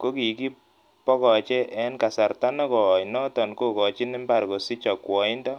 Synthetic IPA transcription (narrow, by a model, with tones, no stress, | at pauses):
ko˦ki˨ki˦ | pɔ˦kɔ˨t͡ʃɛ˦ʔɛ˦nka˨sa˨rta˦nɔ˦kɔ˨nɔ˦tɔ˨nko˦kɔ˨t͡ʃi˦nɪ˦mba˨ɾko˨si˦t͡ʃɔ˨kwɔ˨i˦ndɔ˦